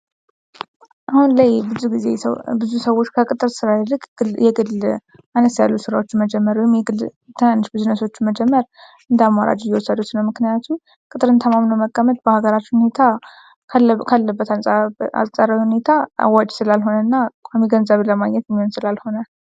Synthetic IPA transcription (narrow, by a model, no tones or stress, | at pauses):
ʔahunlajbɨzuɡizebɨzusəwːo̞t͡ʃːkʰəkʼɨt̪ʼɨɾsɨɾad̪ɾɨkʼjɛɡɨlː | ʔanəsja̰lːusɨɾawo̞t͡ʃːɪməd͡ʒɛmːəɾwɔjmjɛɡɨ | t̪ʰənanːɨʃbɨzunəso̞t͡ʃːməd͡ʒɛmːəɾ | ɨnd̪amːaɾa̰d͡ʒjɛwɔsəd̪ut̪nəwmɨknijat̪ʰum | kʼɨt̪ʼɨɾɨnt̪ʰəmamnəwməɡʼːamət̪̚bəhaɡəɾat͡ʃːhune̞t̪ʰa | kʰalːəbːət̪ʰalsʼa̰lsʼəɾəhune̞t̪ʰaa̰wad͡ʒsɨlalɦo̞nənːakʼamiɡənzəβləmaɡɲːɛt̪jɛmːiho̞nsɨlalho̞na